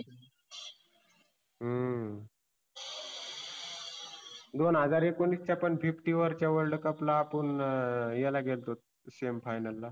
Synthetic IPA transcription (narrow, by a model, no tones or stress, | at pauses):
ɦə | d̪onɦəd͡zaɾekonist͡ɕjapəɳfʰifʈiʋəɾt͡ɕjaʋəlɖkəplaːpəɳjɛlaɡʱelt̪ot̪̚ | semfajnəlːa